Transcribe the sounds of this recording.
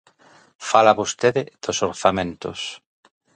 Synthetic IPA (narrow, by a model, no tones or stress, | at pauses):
falaβost̪eðɪð̥osoɾθamẽnt̪o̰s